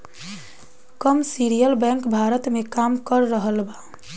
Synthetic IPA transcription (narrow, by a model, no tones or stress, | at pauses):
kəmsiɾijəlbɛ̃ŋkbʱaɾət̪mekamkəɾːəɦəlba